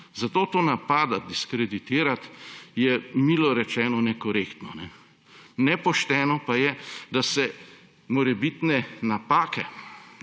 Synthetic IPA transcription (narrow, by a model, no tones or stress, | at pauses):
zat̪oːt̪oːnapaːd̪ad̪iskɾɛd̪it̪iːɾat̪jɛmilɔɾɛt͡ʃɛːnɔnɛkɔɾeːkt̪nɔnɛ | nɛpɔʃt̪ɛːnɔpajɛd̪asɛ | mɔɾɛbit̪nɛnapaːkɛ